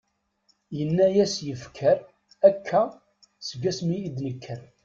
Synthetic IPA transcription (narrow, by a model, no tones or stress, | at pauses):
jənːæjæsjəfkʰəɾ | ækʰːæ | səɡæsmiid̪nəkʰːəɾ